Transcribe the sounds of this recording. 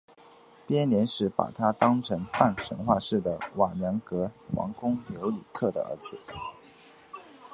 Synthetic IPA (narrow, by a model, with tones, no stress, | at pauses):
pjɛ˥nljɛ˧˥nʂɻ̩˧˥pa̰˨˩t̪ʰa˥t̪ɑ˥ŋʈ͡ʂʰɤ˧˥ŋpa˥˩nʂə̰˧˥nxwa˥˧ʂɻ̩˥˩d̪ə˩wɑ˨˩njɑ˧˥ŋkɤ˧˥wɑ̰˧˥ŋkʊ˥ŋljo˧˥ʊli˨˩kʰɤ˥˩d̪ə̰˩ə̰˧˥t͡sɹ̩˨˩˦